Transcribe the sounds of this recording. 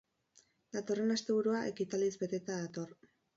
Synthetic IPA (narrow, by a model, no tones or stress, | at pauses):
d̪at̪o̞re̞nast̪e̞β̞uɾuaʔekit̪alizbe̞t̪e̞t̪aðat̪o̞r